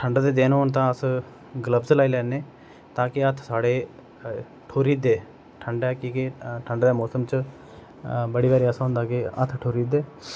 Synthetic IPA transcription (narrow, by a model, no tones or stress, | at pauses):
ʈʰəɳɖd̪eːd̪eːnont̪ãːəs | ɡələbzlaːiːlɛːneː | t̪ãːkɪət̪ʰsaːɽeː | ʈʰoːɾiːd̪eː | ʈʰəɳɖɛːkiːkɪʈʰəɳɖd̪eːmɔːsəmt͡ʃ | bəɽiːbaːɾiːəsãɦʊ̃nd̪aːkɪət̪ʰʈʰoːɾiːd̪eː